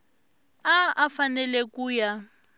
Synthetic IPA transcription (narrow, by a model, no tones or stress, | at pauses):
aʔafanɛlɛkuːja